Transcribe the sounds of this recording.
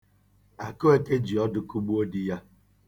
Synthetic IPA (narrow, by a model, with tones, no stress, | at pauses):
a˨ko˦e˦ke˦d͡ʒi˨ɔ˦dʊ˦ku˦ɡ͡bu˦o˦di˦ja˦